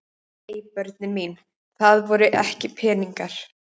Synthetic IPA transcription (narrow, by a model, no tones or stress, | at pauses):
eːjpœɾt̪̚nɪmin | θaðvɔɾʏʔɛ̰hcɪpʰɛːniŋkaɾ̥